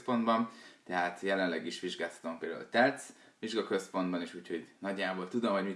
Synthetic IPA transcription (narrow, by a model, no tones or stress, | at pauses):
po̞nd̪bɒnt̪ɛɦaːt̪jɛlɛnlɛɡiʃʋiʒɡaːshɒ̥t̪ompeːld̪a̰ṵlt̪ɛt̪s | ʋiʒɡɒkø̞spo̞nd̪bɒneːʃuːcʰho̞ɟnɒɟːaːboːlt̪ud̪o̞mɒɟmi